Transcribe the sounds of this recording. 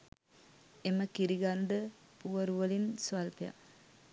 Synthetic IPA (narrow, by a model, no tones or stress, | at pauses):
eməkiɾiɡand̪əpuʋəɾuʋəlinsʋalpeja̰